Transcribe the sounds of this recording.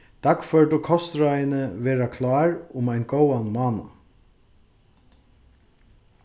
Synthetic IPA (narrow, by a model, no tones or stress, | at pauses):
d̪̥akfœɹʈʊkʰɔst̪ɾajɪnəʋeːɾakʰlɑːɹʊmajnɡowanmɑːna̰